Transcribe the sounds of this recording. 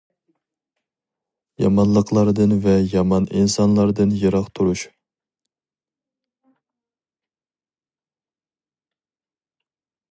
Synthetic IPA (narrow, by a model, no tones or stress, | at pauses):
jɑ̰mɑnlˠəqlˠɑɾd̪ɨnvɛjɑmɑninsɑnlˠɑɾd̪ɨnjɨɾɑqt̪ʰuɾuʃ